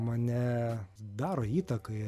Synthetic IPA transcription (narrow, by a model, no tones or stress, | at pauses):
mɑnʲɛd̪ɑːɾoːiːt̪ɐkɐɪ